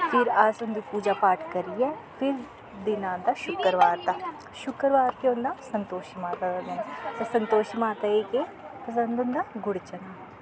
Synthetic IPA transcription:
fʰɪɾazʊnd̪ipuːd͡ʒapaːʈʰkɐɾiɛfʰɪɾ | d̪ɪnãːd̪aʃʊkəɾʋaːɾt̪a | ʃʊkəɾʋaːɾkeʊ̃nd̪asɐ̃nt̪oːʃmaːt̪ad̪ad̪ɪnt̪osɐ̃nt̪oːʃimaːt̪aeːke | pɐs̬ə̃nd̪ʊ̃nd̪aɡʊɽt͡ʃɐnaː

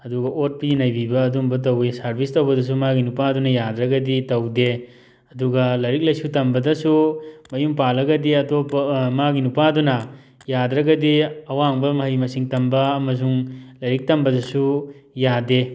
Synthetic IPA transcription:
ɐduɡɐʔot̚pinɐjbibɐːdumbɐt̬ɐwesɐɾbʰʱistɐwbɐdɐs̬umaɡinupadunɐjadɾɐɡɐditɐwde | ɐduɡɐlɐɾik̚lɐjsutɐmbɐdɐsumɐjumpalɐɡɐdiɐtopmaɡinupadunɐ | jadɾɐɡɐdiɐwaŋbɐmɐɦɐjmɐsiŋtɐmbɐɐmɐs̬uŋlɐɾik̚tɐmbɐdɐsujade

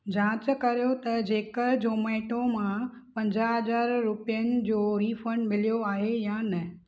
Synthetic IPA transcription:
d͡ʑãːt͡ɕkɐɾijot̪ɐd͡ʑeːkəld͡ʑoːmɐːɪʈʰõmã | pɐ̃ɲd͡ʑaːɦɐzaːɾɾʊpijənɪ̆d͡ʑoːɾiːfə̃ɳɖmɪlijoaːɦejanɐ

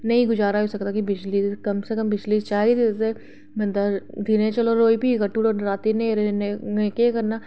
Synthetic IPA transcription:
nɐɦĩɡʊd͡ʒaːɾaɦosɐkt̪akibɪt͡ʃlikɐmsekɐmbɪt͡ʃliːst͡ʃaːɾizd̪ise | bɐ̃nd̪ad̪ʱinẽt͡ʃɐloɾoːipiɡɐʈːuːɽoɾaːt̪inẽɾeneẽːkekɐɾna

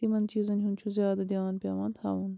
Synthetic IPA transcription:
imɐnt͡ʃiːzɐnʲɦunt͡ʃʰuzjaːd̪ɐd̪ijaːnpʲjaːʋɐːnt̪ʰhaːʋɐn

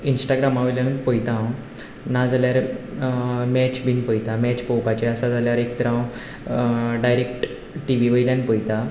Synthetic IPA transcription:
insʈaɡɾamaʋəljanənpəjt̪ãw | nad͡zaljaɾ | mɛt͡ɕbʱinpəjt̪amɛt͡ɕpəwpat͡ɕeəsad͡zaljaɾek̚t̪əɾãw | ɖajɾek̚ʈ | ʈiʋiʋəjljanpəjt̪a

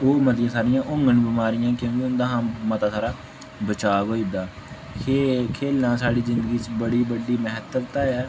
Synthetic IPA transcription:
oːmət̪jãːsaːɽɪjãːʔʊ̃ŋɡənbəmaːɾɪjãːkjõːkeʊnd̪ãːɦãːmət̪aːsʰaːɾaː | bət͡ʃaːʋoːid̪aː | kʰekʰeːlːãːsaːɽiːzɪ̃nd̪əɡiːt͡ʃbəɽiːbəɖiːməɦət̪ət̪aːɛː

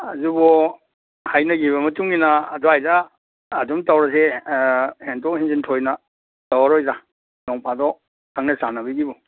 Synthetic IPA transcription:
azubɔ | hajnɐɡiβɐmɐtuŋinɐːdɔajzaː | dumtawɾɐs̬e | hentokhinzintʰojnɐ | tawaɾojza | nɔŋpʰadɔ | kʰaŋnɐsanɐbiɡibɔ

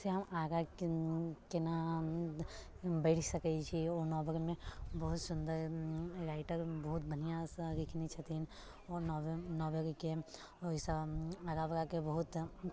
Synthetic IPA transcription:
seɦɐmaːɾa | kena | bɛɪʈʰsɐkət͡ʃʰiɔːɾnɔːbəɾmẽbɐɦʊt̪sʊnd̪əɾɾaːɪʈəɾbɐɦʊt̪̚bʱɐnijãɾɪkʰnit͡ʃʰat̪in | ɔːɾnɔːbəɾke | ɔɪsaːɾabɾakebɐɦʊt̪

